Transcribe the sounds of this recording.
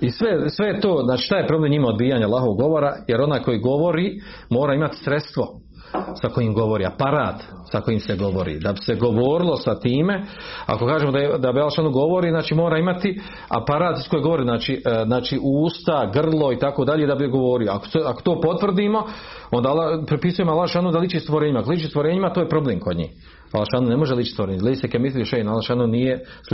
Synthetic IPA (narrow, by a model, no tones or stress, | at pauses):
isʋesʋe̞jet̪oːznaːt͡ʃiːʃt̪aːjepɾo̞blemɲimaod̪biːjaɲalˠaːɦoʋoɡo̞ʋoɾajeɾo̞naːjko̞jiːɡo̞ʋo̞ɾiː | mo̞ːɾaːimat̪i̥sɾet̪st̪ʋo̞ | sako̞jimɡo̞ʋo̞ɾḭːa̰paɾa̰ːt̪ | sako̞jimseɡo̞ʋo̞̰ɾḭːd̪abi̥seɡo̞ʋoːɾilˠo̞sat̪iːme̞a̰ko̞kaːʒemod̪ad̪abialʃaːnuɡo̞ʋo̞ɾiːznaːt͡ʃiːmo̞ːɾaːimat̪i | a̰paɾaːt̪iskojeɡo̞ʋoɾiːznaːt͡ʃiːznaːt͡ʃiːʔuːst̪aɡr̩lˠoit̪akoːd̪aʎed̪abiɡo̞ʋoːɾioa̰ko̥seako̥t̪oːpo̞t̪ʋr̩d̪iːmo̞ | ond̪alapɾipisujemoalaʃaːnud̪aliːt͡ʃist̪ʋoɾeːɲimakoliːt͡ʃist̪ʋoɾeːɲimat̪oːjepɾo̞bleːmkod̪ɲḭːh | a̰laʃanunemo̞ʒeliːt͡ʃi̥st̪oɾeːɲleːsekemit̪ijoʃenalaʃanonijes